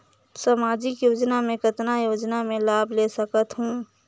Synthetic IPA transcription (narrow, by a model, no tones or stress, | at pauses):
samaːd͡ʒɪkjoːd͡ʒnamẽkɪt̪najoːd͡ʒnamẽlaːbʱlesəkət̪ɦũː